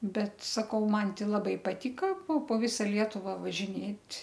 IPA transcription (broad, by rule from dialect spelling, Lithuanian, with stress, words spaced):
ˈbʲɛt sɐˈkɐʊ ˈmɐn ˈtʲɪ lˠɐˈbɐɪ pɐˈtʲiːkɐ poː poː ˈʋʲɪsɐ ˈlʲiɛtʊʋɑː ʋɐʒʲɪˈnʲeːtʲ